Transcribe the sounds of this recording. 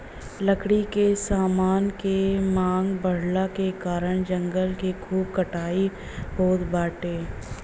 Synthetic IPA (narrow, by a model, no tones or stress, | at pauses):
ləkɽikesaːmaːnkemãːŋɡbəɽ̤lakekaːɾəɽ̃d͡ʒə̃ŋɡəlkikʰuːb̚kəʈʰaːi | boːt̪baːʈeː